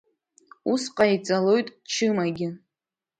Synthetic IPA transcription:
usqʼait͡sʼalo̞jtʼt͡ʃʰɨmaɡʲɪ

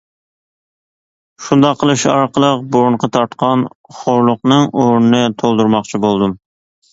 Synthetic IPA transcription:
ʃund̪ɑqʰːəlˠɨʃɑɾqʰəlˠəq̚boɾɴqʰɑt̪ʰɑɾt̪qʰɑnχoɾlˠʊqnɨŋoɾnɨnɨt̪ʰolˠd̪uɾmɑqt͡ʃʰibolˠd̪um

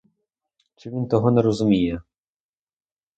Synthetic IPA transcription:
t͡ʃɪʋʲint̪ɔɦɔnɛɾɔzʊmʲijɛ

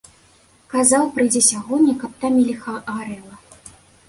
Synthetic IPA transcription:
kazawpɾɨjd͡zʲɛsʲaɣɔnʲːikap̚t̪amʲilʲixaɣaɾɛlˠɐ

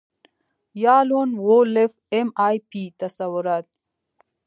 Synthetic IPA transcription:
jaːloːnwolef | emaːjpit̪ɐsawuɾaːt̪̚

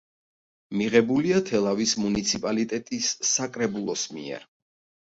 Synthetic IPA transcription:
miʁɛbuliat̪ʰɛlˠavismunit̪sʰipʼalit̪ʼɛt̪ʼisːakʼɾɛbulˠɔsmḭɛ̰ɾ

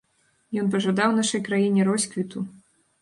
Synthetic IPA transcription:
jɔnpɐʐad̪awnaʂɐjkɾajinʲɛɾɔsʲkvʲit̪u

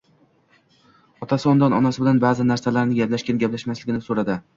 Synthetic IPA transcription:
ɒt̪ʰasɪɒnd̪ɒnɒnasɪbɪlanbaːzɪnaɾsalaɾnɪɡʲaplaʃkʲanɡʲaplaʃmaslɪɡʲɪnɪsoɾad̪ɪ

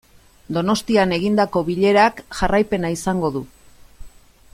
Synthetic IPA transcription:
d̪o̞no̞st̪iane̞ɣind̪ako̞βiʎe̞ɾakʝarajpe̞naisaŋɡo̞ðu

